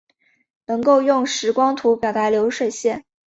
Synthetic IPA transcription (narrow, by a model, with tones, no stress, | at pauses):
nɤ˧˥ŋko˥˧ʊjʊ˥˩ŋʂɻ̩˧˥kwɑ˥ŋt̪ʰu˧˥pjɑ˨˩ʊt̪a˧˥ljo˧˥ʊʂwe˥˧ɪɕjɛ˥˩n